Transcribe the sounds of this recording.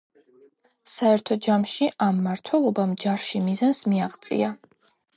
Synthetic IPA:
saɛɾt̪ʰɔd͡ʒamʃiʔamːaɾt̪ʰwɛlˠɔbamd͡ʒaɾʃimizansmiaʁt̪sʼḭa

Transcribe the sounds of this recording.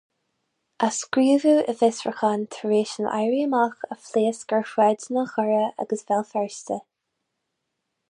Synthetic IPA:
ʔaskɾiːvuːəvɪsɹəxant̪ʰəɹeːʃənʔa̰jɹiəmaxəfleːsɡ̥əɹxwɛdnəxɔɹəa̰ɡəsvɛlˠfɛɹstə

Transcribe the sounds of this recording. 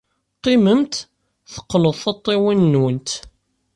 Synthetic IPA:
qːiməmt̪ | θə̥qːləðˤθɑt̪ˤːiwinːwənt̪

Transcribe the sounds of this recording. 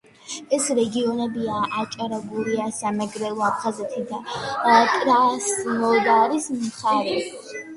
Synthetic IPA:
ɛsɾɛɡiɔnɛbiaat͡ʃʼaɾabuɾiasamɛɡɾɛlˠɔapʰχazɛt̪ʰid̪akʼɾasnɔd̪aɾismχaɾɛ

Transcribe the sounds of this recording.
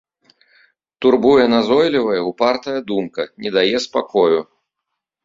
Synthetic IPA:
t̪urbujɛnazɔjlʲivɐjɛupart̪ɐjɐd̪umkɐnʲɛd̪ajɛspakɔju

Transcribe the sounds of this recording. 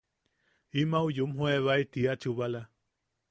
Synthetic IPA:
imaujumɦueβait̪iat͡ʃuβala

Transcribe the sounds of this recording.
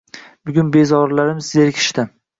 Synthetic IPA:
bʊɡʲʊnbe̞zɒɾlaɾɪmɪzjeɾkʲʰɪ̥ʃt̪ɪ

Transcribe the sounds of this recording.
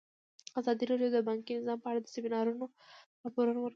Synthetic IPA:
azɑd̪iɾɑɖjod̪əbɑŋkinɪzɑmpəaɽad̪əsɪmɪnɑɾuno | ɾɑpoɾunowəɾ

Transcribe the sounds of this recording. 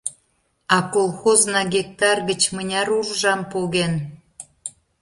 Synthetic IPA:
ɑkolˠxoznɑɡʲek̚t̪ɑrɣət͡ɕmənʲɑɾurʒɑmpoɣen

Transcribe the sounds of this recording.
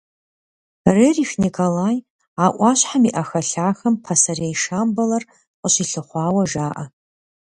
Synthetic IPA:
reriːxnikʰolaːj | aːʔʷɑːɕħamiʔɐxɐɬaːxɐmpʰasɐrejʂaːmbɐlɐr | qʼəʃiɬɨχʷɑːwɐʒaːʔɐ

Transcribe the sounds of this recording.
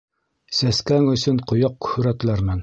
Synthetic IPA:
sæskæŋɵ̆sɵɴqŏjɑq̚kɵ̥hɵɾæt̪læɾmɘn

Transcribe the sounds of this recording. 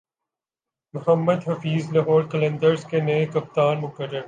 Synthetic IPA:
mʊɦəmːəd̪ɦɐfiːzlɐɦɔːɾkɐlẽnd̪əɾzkenekɐp̚t̪aːnmʊkəɾːəɾ

